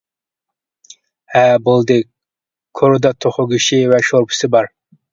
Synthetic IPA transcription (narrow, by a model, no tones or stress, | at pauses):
hæbolˠd̪ɪ | kʰoɾd̪ɑt̪ʰoχʊɡʲiʃivɛʃoɾpʰʊ̥sɪbɑɾ